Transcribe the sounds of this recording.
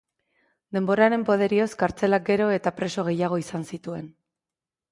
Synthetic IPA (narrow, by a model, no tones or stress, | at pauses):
d̪e̞mbo̞ɾaɾe̞mpo̞ð̞e̞ɾio̞skaɾt͡se̞lak̚ɡe̞ɾo̞e̞t̪apɾe̞so̞ɣ̞e̞jaɣ̞o̞isansit̪ue̞n